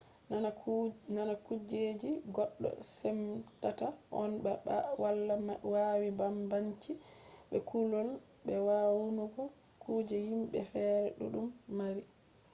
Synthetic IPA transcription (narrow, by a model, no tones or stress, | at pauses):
nanakud͡ʒed͡ʒiɡɔɗːɔ̰sɛmtataʔɔnwalːawaːwibambaɲt͡ʃiɓɛkulɔl | bɛwawunuɡɔ | kʰud͡ʒɛhimbɛ̰fɛːɾɛɗṵɗumːaɾi